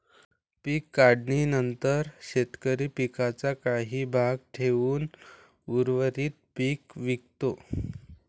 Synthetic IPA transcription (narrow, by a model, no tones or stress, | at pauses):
piːkːaɽɳinənt̪əɾɕet̪kəɾiːpikat͡sakaɦiːbʱaɡʈʰeʋuːn | uɾʋəɾiːt̪̚piːkʋik̚t̪o